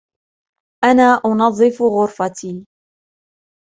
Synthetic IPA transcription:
ʔanaːʔʊnɑðˤːɨfɣʊɾfat̪iː

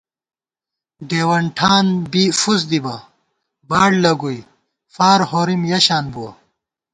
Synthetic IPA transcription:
ɖeːwɐɳʈʰaːnbifuzd̪ibɐ | baːɽlɐɡuj | faːɾhoːɾimjɐɕaːnbuwɐ

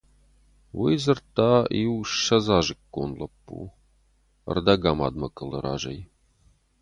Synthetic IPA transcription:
wijzɨrt̪aiwʂɐzaʒɨkːonlɐpːṵ | ə̰rd̪ɐɡama̰d̪mɐkʼələ̰ɾa̰ːʒej

